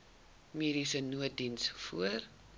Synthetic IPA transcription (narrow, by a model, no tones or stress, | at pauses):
miːɾisənuət̚dinsfuər